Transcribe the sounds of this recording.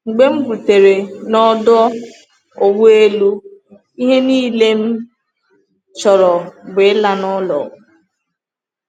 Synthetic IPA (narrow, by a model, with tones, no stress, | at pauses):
ŋ͡m̩˨ɡ͡be˦ŋ͡m̩˦bu˨te˨ɾe˨nɔ˦dɔ˦ | o˨wʷu˦e˦lu˦ | i˦ɦe˦niː˦le˦m̩˦ | t͡ʃɔ˨ɾɔ˨bʊ˨ɪ˦la˦nɔ˦lɔ̰˨